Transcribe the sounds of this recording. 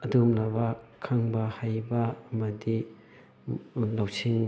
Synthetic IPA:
ɐdumlabɐkʰaŋbɐhajbɐːmɐdi | lawsiŋ

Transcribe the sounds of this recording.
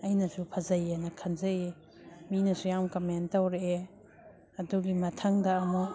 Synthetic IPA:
ɐjnɐsupʰɐzɐjenɐkʰɐnzɐe | minɐsujawmkɐmentɐwɾee | ɐduɡimɐtʰɐŋdɐːmu

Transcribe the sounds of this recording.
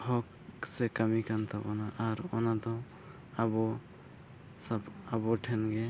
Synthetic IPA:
hɔk | sekamikant̪ʰabɔnaʔːɾɔnad̪ɔ | abɔ | sababɔʈʰɛnɡe

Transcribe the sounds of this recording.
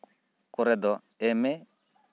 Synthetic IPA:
kuɾɛd̪ɔ | ɛmɛ

